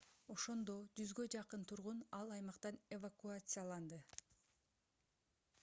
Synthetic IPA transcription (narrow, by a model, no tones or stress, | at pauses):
o̞ʃo̞nd̪o̞d͡ʒyzɡø̞d͡ʒɑqɯnt̪ʰuɾʁunɑlˠɑjmɑqt̪ɑnevakuat̪sɨjalˠɑnd̪ɯ